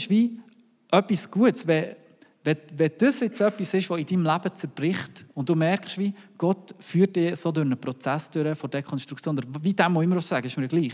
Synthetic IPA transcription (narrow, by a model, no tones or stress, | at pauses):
ʃʋi | ʔœpːisɡ̥uətsvɛ | vɛvɛd̥əsɪt͡sœpːisɪʃʋɔɪd̥imlæb̥ət͡sɛɾb̥rɪχtʊnt̚d̥umɛɾkχʃʋiɡ̥ɔtfyːt̚ɪsodøɾnəpɾɔt͡sæsd̥øɾəfɔɾd̥ɛkʰɔnʃt̪ɾukt͡sjoːnəvidæmːɔɪmːəɾɔssaɡəɪʃməɾɡ̥liːχ